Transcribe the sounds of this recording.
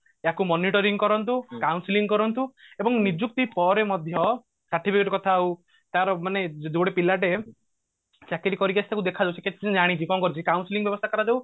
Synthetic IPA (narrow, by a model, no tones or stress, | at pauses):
akumɔniʈɔɾiŋkɔɾɔnt̪ukawnsiliŋɡkɔɾɔnt̪uebɔŋnid͡ʒuk̚t̪ipɔɾemɔd̪ʱjɔ | saʈʰːipʰikɔʈɔkɔt̪ʰau | t̪aɾɔmaned̪uɽepilaʈe | t͡ʃakiɾikɔɾikasʰit̪ʰakud̪ekʰad͡ʒawsʰeket̪ʰi̥d͡ʒaɽ̃it͡ʃʰikɔmkɔɾit͡ʃʰikawnsiliŋbjɔbɔst̪ʰakɔɾad͡ʒaw